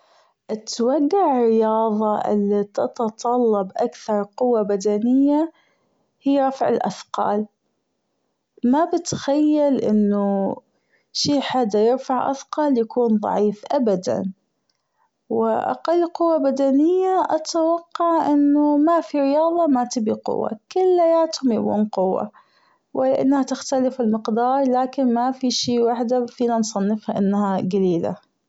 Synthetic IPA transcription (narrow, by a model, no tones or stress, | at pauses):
ʔɪt̪waɡːaʕɾɪjɑːðˤɑʔɪ̰lːit̪ɑt̪ɑt̪ˤɑlːɑbʔakθɑɾˤqʊwːabad̪anɪjːa | hiːɾˤɑfʕɪ̰lʔa̰θqɑ̰ːl | mabɪt̪xajːalʔɪ̰nːu | ʃiːħad̪ːajɪɾfaʕʔa̰θqɑːljakuːnðˤɑ̰ʕiːfʔabad̪a̰n | wɪʔa̰qɑlːqʊwːabad̪anɪjːaʔat̪awɑqːɑʕʔɪnːʊmafiɾɪjɑːðˤɑmat̪ɪbiqʊ̰wːa̰kʊlːajaːt̪hʊmjakṵːnqʊwːa̰ | wɪlʔa̰nːhat̪ɪxt̪alɪfɪlmɪqd̪ɑːɾˤlaːkɪnmafiʃiːwaħd̪afiːnansˤɑnːɪfhaʔɪnːhaɡaliːla̰